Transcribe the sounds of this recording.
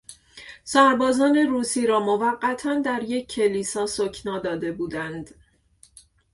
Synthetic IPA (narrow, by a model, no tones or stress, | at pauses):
sæɾbɒːzɒːne̞ɾuːsiːɾɒːmovæɢːæt̪ʰænd̪æɾje̞cʰːe̞liːsɒːsocʰnɒːd̪ɒːd̪e̞buːd̪ænd̪